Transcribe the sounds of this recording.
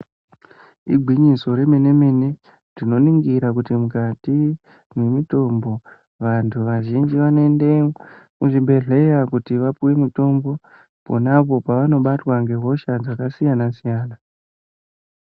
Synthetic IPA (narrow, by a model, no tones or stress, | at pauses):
ḭɡʱwiɲiso̞ɾemenemene | rino̞niŋɡiɾakutimukati | mwe̞mito̞mbo̞ | ʋantʰuʋaʒind͡ʒiʋanoendemuʐiɓʱe̞ɮe̞jakutiʋapuwe̞mito̞mbo̞ | po̞̰napo̞paʋano̞ɓatwaŋɡe̞ɦo̞ʃad͡zakasijanasijaːna